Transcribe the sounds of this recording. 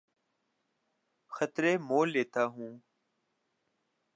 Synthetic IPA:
xət̪ɾeːmoːlːeːt̪aːɦũː

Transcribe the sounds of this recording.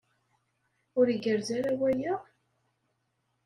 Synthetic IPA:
ʊɾiɡəɾzaɾawæjə

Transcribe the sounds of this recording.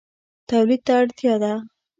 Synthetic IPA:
t̪awlid̪̚t̪aːɽt̪jɑd̪a

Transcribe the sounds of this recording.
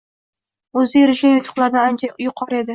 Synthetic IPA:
ɵzɪjɪɾɪʃɡʲanjʊt̪ʰʊ̥χlˠaɾd̪aant͡ʃʰajʊqʰɒɾe̞d̪ɪ

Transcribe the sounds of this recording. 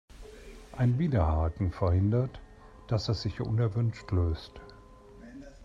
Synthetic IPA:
ʔaɪnviːdɐhaːtn̩fɛɐhɪndɐt | d̥asɛsz̥ɪçʔʊ̰nɛɐvʏnʃtløːst

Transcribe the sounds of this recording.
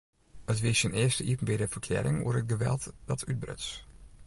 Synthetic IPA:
ətʋɪsjənɪəstəʔipn̩bɪdəfərkʰlɛ̰ːɾɪŋṵərət̚ɡəʋɛ̰lˠtdɔtʰyt̚brə̰ts

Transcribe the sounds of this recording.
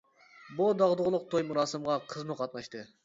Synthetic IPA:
bud̪ɑʁd̪ʊʁlˠʊq̚t̪ʰojmuɾɑːsɨmʁɑqʰəzmɨqʰɑt̪̚nɑʃt̪ɨ

